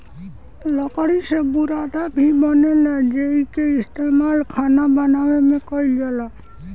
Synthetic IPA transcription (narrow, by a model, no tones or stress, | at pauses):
ləkɽisebuɾad̪abʱibənelɛd͡ʒeikeɪst̪emalkʰanabənawemẽkɔiljela